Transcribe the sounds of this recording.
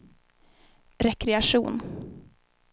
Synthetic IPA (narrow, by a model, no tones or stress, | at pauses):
ɾɛkɾɛaʂuːn